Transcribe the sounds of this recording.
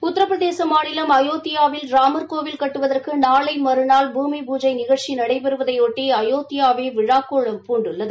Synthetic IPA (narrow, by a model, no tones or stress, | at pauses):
ʊt̪ːɐɾɐpːɾɐðeːsɐmaːɳɪlɐmɐjoːt̪ɪjaːʋɪlɾaːmɐɾkoːʋɪlkɐʈːɯʋɐðɐrkɯnaːlɐɪmɐɾɯnaːlbʱuːmibuːd͡ʒɐɪnɪɣɐʈt͡ʃinɐɽɐɪpɛɾɯʋɐðɐɪoːʈːiɐjoːt̪ɪjaːʋeːʋɪɻaːkoːɭɐmpuːɳɖɯɭːɐðɯ